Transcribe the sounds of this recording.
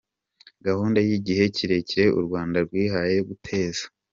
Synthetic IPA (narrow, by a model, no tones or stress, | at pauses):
ɡahuːndajiɟihe̞cʰiɾe̞ciɾe̞ʔṵɾɡwaːndaɾɡwiːɦaje̞ɡutʰe̞ːzḁ